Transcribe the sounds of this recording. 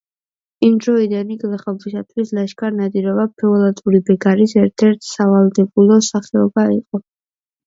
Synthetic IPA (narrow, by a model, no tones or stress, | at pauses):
imd̪ɾɔid̪aniɡlaχabisat̪ʰwislaʃkʼaɾnad̪iɾɔbapʰɛɔlat̪ʼuɾibɛɡaɾisɛɾt̪ʰɛɾt̪ʰsavalˠd̪ɛbulˠɔsaχɛɔbaiqʼɔ